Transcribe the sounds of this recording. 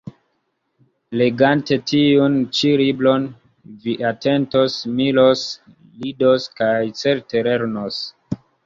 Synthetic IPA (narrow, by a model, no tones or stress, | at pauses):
le̞ɡante̞tiunt͡ʃiɾiblo̞n | viʔate̞ntosmilo̞s | lidoskajt͡se̞ɾte̞le̞ɾnos